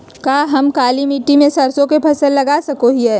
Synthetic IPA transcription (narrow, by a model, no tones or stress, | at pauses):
kaːɦɐmkaːlimiʈːimẽsɐɾsõkepʰɐsəlːɐɡaːsɐkoɦiɦɛː